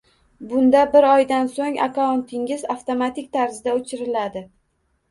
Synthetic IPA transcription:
bʊnd̪abɪɾɒjd̪ansoŋa̰kʰaont̪ʰɪŋɪzaft̪omat̪ʰɪk̚ʲt̪ʰaɾzɪd̪aot͡ʃʰɪɾɪlad̪ɪ

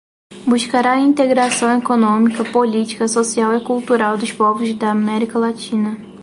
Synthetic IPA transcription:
buʃkaɾaɐĩnt̪eɡɾasɐ̃w̃ekonõmikɐpolit͡ʃi̥kɐsosiawɪkult̪uɾawd̪ʊʃpɔvʊzd̪ɐːmɛɾikɐlat͡ʃĩnɐ

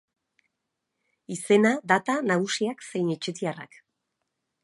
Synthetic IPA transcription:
ise̞nad̪at̪anaɣusiakse̞jnet͡ʃet̪iara̰k

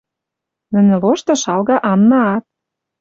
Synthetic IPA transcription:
nə̆nĕloʃt̪ɤ̆ʃɑlɣɑʔɑnːɑːt̪̚

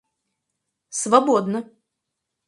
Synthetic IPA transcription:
svɐboɔd̪nə

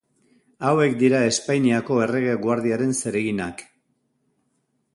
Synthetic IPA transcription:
awe̞kd̪iɾae̞spajniako̞e̞re̞ɣ̞eɣwaɾðiaɾe̞nse̞ɾeɣinak

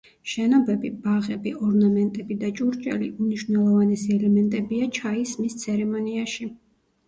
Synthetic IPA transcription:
ʃɛnɔbɛbib̥aʁɛbiɔɾnamɛnt̪ʼɛbid̪at͡ʃʼuɾt͡ʃʼɛ̰lḭʔumniʃwvnɛlˠɔvanɛsiɛlɛmɛnt̪ʼɛbiat͡ʃʰaismist̪sʰɛɾɛmɔniaʃi

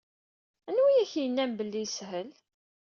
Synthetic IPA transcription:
ænwijæçjənːæmbəlːijsɦəl

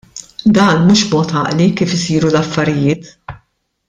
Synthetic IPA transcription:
d̪ɐːnmuːʃbmɔːt̪ɐ̰ːʔlikiːfɪsiːɾulɐfːɐɾɪjɪːt̪

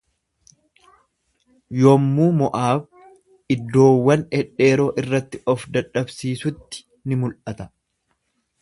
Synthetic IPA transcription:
joːmːuːmɔʔaːb | ɪd̪ːo̞ːwːɐnɛᶑe̞ːɾo̞ːʔɪrːɐt̪ːɪɔfd̪ɐᶑɐbsiːsʊt̪ːɪ̥ | nɪmʊlʔɐt̪ɐ

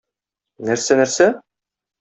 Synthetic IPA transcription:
næɾsænæɾsæ

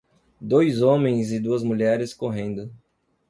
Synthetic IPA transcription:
d̪ojzõmẽj̃zɪd̪uɐzmuʎɛɾɪskoɦẽnd̪ʊ

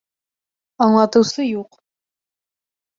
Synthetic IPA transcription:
ɑɴlˠɑt̪ɤ̆wsɤjuq

